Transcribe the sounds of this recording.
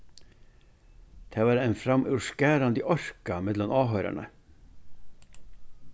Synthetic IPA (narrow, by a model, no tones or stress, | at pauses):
t̪ʰeːʋɑːɾæːnfɾɑmʔʉʃkæːɾɑnd̪iʔɔɾkɑmɛd̪lɔmʔɑːɦœɾæ̰ɳə̰